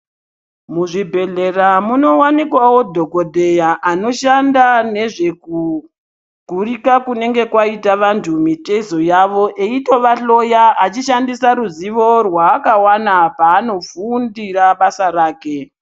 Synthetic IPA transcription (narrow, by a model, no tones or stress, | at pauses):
muʐibʱe̞ɮe̞ramuno̞wanikwawo̞dʱo̞ko̞dʱe̞jaʔano̞ʃandane̞ʐe̞ku | ɡ̥ʱurikakune̞ŋɡe̞kwaitaʋantʰumitezojaʋo̞ʔeito̞ʋaɬo̞jaʔat͡ʃiʃandisaɾuziʋo̞rwaːkawanapaːno̞fundiraɓasaɾaːke̞